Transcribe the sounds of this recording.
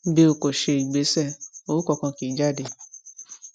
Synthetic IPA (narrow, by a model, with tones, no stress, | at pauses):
be˧o˨ko˨ʃe˧i˨ɡ͡be˨˦sɛ˦˨o˦kɔ˧kã˧ki˨˦d͡ʒa˦˨de˧˨